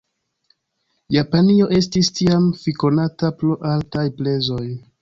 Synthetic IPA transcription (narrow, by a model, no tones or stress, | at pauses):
japanio̞ʔe̞stistiamfiko̞natapluʔaltajple̞zo̞j